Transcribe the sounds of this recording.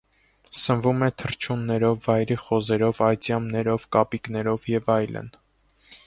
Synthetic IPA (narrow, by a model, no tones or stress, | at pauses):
sənvumɛt̪ʰəɾt͡ʃʰunːɛɾɔvːɑjɾiχɔzɛɾɔvɑjt͡sjɑmnɛɾɔvkɑpiknɛɾɔvjɛvɑjlə̰n